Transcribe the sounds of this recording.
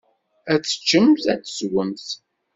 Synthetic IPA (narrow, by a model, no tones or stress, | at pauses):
æt͡sːə̥t͡ʃːəmzæt͡sːə̥swəmθ